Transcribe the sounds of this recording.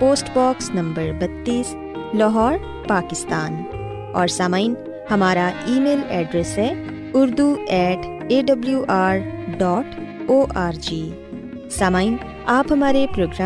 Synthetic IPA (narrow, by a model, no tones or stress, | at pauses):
poːsʈbɔːksnɐ̃mbəɾbɐt̪ːiːs | lɔɦɔːɾ | paːkɪst̪aːn | ɔ̰ːɾsaːmaːin | hɐmaːɾaiːmeːlɛːɖɾɛsɦɛː | ʊɾd̪uɛːʈʰ | eːɖɐbljuʔaːɾɖɔːʈoːʔaːɾd͡ʒiː | saːmaːin | aːpɦɐmaːɾepɾoːɡɾaː